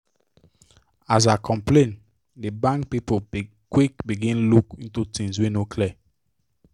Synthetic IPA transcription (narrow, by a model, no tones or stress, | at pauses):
az̬aɪkʰɔ̃mplẽn | dəbãŋk̚pipo | kwikbiɡĩnlukĩntutĩŋzwinokʰlɛ